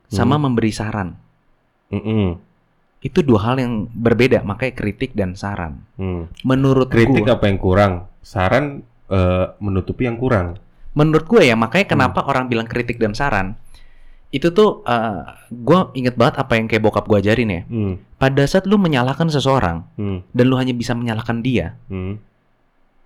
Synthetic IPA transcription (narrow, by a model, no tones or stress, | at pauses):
samaməmbəɾisaɾan | m̩m̩ | it̪uduaɦaljaŋbərbedamakajkɾit̪ɪk̚dansaɾa̰nmənuɾʊt̪̚ɾiɡtɪkapajaŋkuɾaŋsaɾan | əmənut̪upijaŋkuɾaŋ | mənuɾʊt̪̚ɡuajamakajkənapaʔoɾaŋbilaŋkɾit̪ɪk̚dansaɾa̰n | it̪ut̪ʊhʔə | ɡuaiŋət̪̚baŋət̪apajaŋkajabokap̚ɡuad͡ʒaɾɪnja̰padasaːt̪̚luməɲalahkans̬əsəoɾa̰ŋdanluɦaɲabisaməɲalahkandia